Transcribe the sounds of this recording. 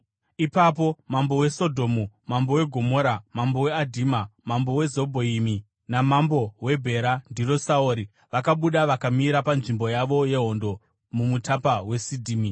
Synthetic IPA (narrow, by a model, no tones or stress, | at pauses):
ipap̬o̞mambo̞we̞so̞dʱo̞ːmumambo̞we̞ɡʱo̞mo̞ːɾamambo̞we̞adʱimamambo̞we̞zobʱoimi | namambo̞we̞bʱe̞ɾandiro̞saoːɾi | ʋakaɓuɗaʋakamiɾapanʐimbo̞jaʋo̞je̞ɦo̞ndo̞ | mumutapawe̞sidʱiːmi